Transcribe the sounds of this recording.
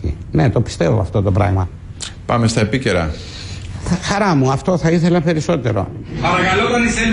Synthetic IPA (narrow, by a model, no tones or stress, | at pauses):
ḭne̞t̪o̞pi̥st̪e̞vo̰ɐft̪o̞t̪o̞pɾɐ̰ɣmɐ | pɐme̞st̪ɐepice̞ɾɐ | xɐɾɐmuɐft̪o̞θɐiθe̞lɐpe̞ɾiso̞t̪e̞ɾo̞̰pɐɾɐkalot̪ɐnise